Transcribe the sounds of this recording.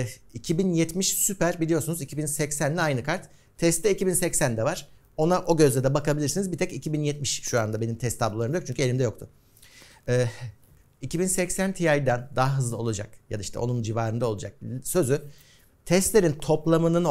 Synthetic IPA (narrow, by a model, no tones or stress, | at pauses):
icʰibinjɛt̪miʃsypæɾbilʲijo̞ɾsunuzicʰibinsɛcsænlʲɛajnɯkʰaɾt̪ʰː | ɛst̪ːɛicibinsɛcsænd̪ɛvaɾ̥ | o̞naʔo̞ɟø̞zlʲɛd̪ɛbakabilʲiɾsinizbit̪ʰɛcicʰibinjɛt̪miʃʃuand̪abe̞nimt̪ʰɛst̪ʰːablolˠaɾɯmajok̚t͡ʃʰyɲcʰyelʲimd̪ɛjo̞k̚t̪ʰʊ | ɛː | icʰibinsɛcsænt̪ʰiajd̪ænd̪aɦaɦɯzlˠɯo̞lˠud͡ʒa̰kja̰d̪aiʃt̪ʰɛ̰o̞̰nund͡ʒivaːɾɯnd̪ao̞lˠud͡ʒak̚sø̞zy | t̪ʰɛst̪lʲe̞ɾint̪ʰo̞plˠamɯnɯn